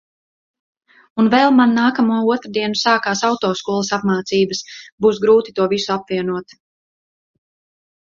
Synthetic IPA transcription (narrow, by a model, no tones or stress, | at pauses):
unvɛlˠmanːaːkamuɔuɔt̪ɾd̪iɛnusaːkaːsawt̪ɔːskuɔlˠɐsapmaːt̪siːbəsbuːsɡɾuːt̪i̥t̪uɔvisuapviɛnuɔt̪